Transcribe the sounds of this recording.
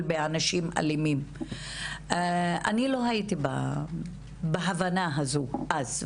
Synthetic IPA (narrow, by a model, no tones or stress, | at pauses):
lbeanaʃima̰limim | anilo̞ɦait̪iba̰ | baɦavanaɦazuʔaz